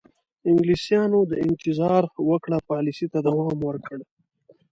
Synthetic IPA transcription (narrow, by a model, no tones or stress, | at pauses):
ɪŋɡlisjɑnod̪əɪnt̪ɪzɑɾwəkɽapɑlisit̪ad̪awɑmwəɾkəɽe